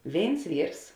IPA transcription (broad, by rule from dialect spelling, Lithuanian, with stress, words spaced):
ˈʋʲeːɪns ˈʋʲiːrs